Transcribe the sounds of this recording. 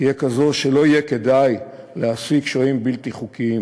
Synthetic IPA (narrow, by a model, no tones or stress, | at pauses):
ijekazoʃe̞lo̞ije̞ke̞d̪aj | leasikʃoimbilt̪iχukiim